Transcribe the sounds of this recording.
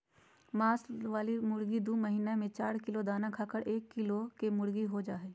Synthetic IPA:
maːsʋaːlimʊɽɡid̪uːməɦiːnemẽt͡ʃaːɾkɪlod̪aːnakʰaːkəɽʔeːkːɪlokemʊɽɡiɦod͡ʒaːɦeː

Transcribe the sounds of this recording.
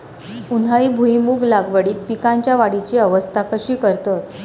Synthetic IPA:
unaɭiːbʱuimuːɡlaɡʋəɽiːt̪̚pikaɲt͡ɕjaʋaɽit͡ɕiːəʋəst̪ʰakəɕiːkəɾt̪ət̪

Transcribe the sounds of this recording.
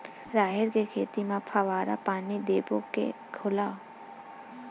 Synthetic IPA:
ɾaːɦɪɾkekʰeːt̪imãpʰaʋaːɾa̰paːnid̪eːbokḛ | kʰʊlaː

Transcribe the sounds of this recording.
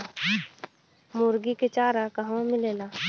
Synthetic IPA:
mʊɾɡiket͡ʃaːɾakɐɦõmɪleːlaː

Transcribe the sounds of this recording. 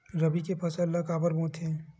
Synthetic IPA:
ɾɐbikepʰɐsəlːakaːbəɾbõːt̪ʰɛ̃ː

